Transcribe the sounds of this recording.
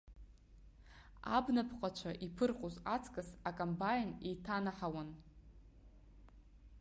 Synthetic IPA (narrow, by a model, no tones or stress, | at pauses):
a̰bnapʰqʼat͡ʃʷʰaʔipʰɨrqʼozat͡sʰkʼɨsakʼombajnejtʰanaħawan